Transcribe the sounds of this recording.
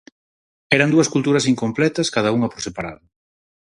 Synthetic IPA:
ɛɾɐnd̪uɐskult̪uɾɐsiŋkomplɛt̪ɐskað̞ɐuŋɐpoɾsepaɾa̰ðʊ

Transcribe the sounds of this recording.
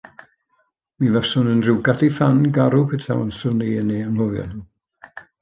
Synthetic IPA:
mivɛsʊnənrɪwɡadifanɡaɾupʰɪtʰa̰ə̰nsʊniəneːanhʊvjɔ̰n

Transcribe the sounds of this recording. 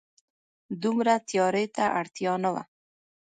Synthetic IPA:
d̪umɾat̪jɑɾet̪aʔaɽt̪jɑnawa̰

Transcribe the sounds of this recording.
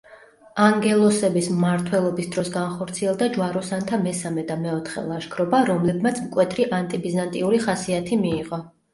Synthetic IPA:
aŋɡɛlˠɔsɛbismmaɾt̪ʰwɛlˠɔbisd̪ɾɔsɡanχɔɾt̪sʰiɛlˠd̪ad͡ʒwaɾɔsant̪ʰamɛsamɛd̪amɛɔt̪ʰχɛ̰lˠaʃkʰɾɔbaɾɔmlɛbmat̪sʰmkʼwɛt̪ʰɾiʔant̪ʼibizant̪ʼiuɾiχasiat̪ʰimiːʁɔ

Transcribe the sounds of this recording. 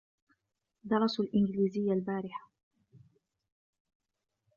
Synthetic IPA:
d̪ɑɾˤɑsalʔɪnɡɪliːzɪjːalbaːɾɪħḁ

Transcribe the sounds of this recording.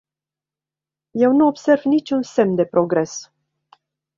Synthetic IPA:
je̞wnuo̞bse̞rvnit͡ʃʲunse̞md̪e̞pɾo̞ɡɾe̞s

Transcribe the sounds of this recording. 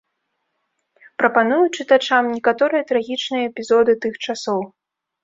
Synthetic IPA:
pɾɐpanujut͡ʂɨt̪at͡ʂamnʲɛkat̪ɔɾɨjɐt̪ɾaɣʲit͡ʂnɨjɐɛpʲizɔd̪ɨt̪ɨxt͡ʂasɔw

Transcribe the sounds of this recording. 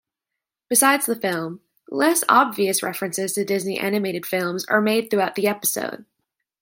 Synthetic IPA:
b̥ɨsaɪdz̥ðəfɪlˠm | lɛsɑ̰bviɨsɹɛfɹɨ̃nsɨz̥tʰɨdɪzniʔæ̰nɨmeɪɾɨd̥fɪlˠmzə̰˞meɪd̪̚θɹʉaʊt̪̚ðiɛpə̥so̰ʊd̥̚

